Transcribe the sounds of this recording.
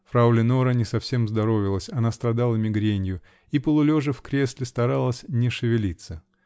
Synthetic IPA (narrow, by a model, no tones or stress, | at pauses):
fɾaʊlʲɪnoɾənʲɪsɐfsʲe̞mzd̪ɐɾo̞vʲɪlˠəsʲɐnast̪ɾɐd̪alˠəmʲɪɡɾʲenʲjʊ | ipəlˠʊlʲoʐɨfkɾʲe̞sʲlʲɪst̪ɐɾalˠəsʲnʲɪʂɨvʲɪlʲit̪sə